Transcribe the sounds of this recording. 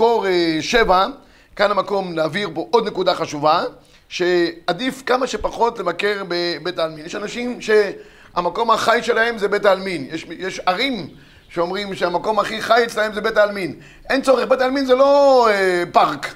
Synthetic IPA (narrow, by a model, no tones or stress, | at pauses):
koʁeʃeva | kanamako̞mnaːviʁpo̞ʔod̪nekudaχaʃuva | ʃead̪ifkamaʃe̞paχo̞tlevake̞ʁbebetaːlminjeʃanaʃimʃe | amako̞mhaχajʃelahe̞mzebetalminjeʃjeʃaʁim | ʃeomʁimʃeamako̞mhaχiχajet͡ʃlahe̞mzebetaːlmin | ʔent͡so̞ʁeχbetalminzelo̞epaʁk